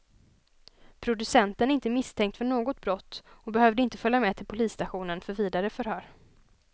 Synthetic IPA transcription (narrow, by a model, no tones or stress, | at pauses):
pʰɾʊd̪ɵsɛnt̪ənæɾɪnt̪əmɪst̪ʰɛŋk̚t̪fœɳoːɡɔt̪̚bɾɔt̪ːɔbɛhœːvd̪əɪnt̪əfœljamɛt̪ʰɪlpʰʊliːsːt̪aɧuːnənfœɾviːd̪aɾəfœɾhœːɾ